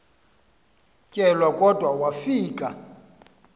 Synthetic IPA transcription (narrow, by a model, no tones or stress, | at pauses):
cʼɛlwakʼɔdʱwawafiːkʼa